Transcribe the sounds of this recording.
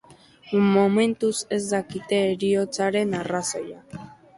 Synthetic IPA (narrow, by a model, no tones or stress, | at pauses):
momẽ̞nt̪use̞zd̪akit̪e̞ːɾio̞t͡saɾe̞naraso̞ja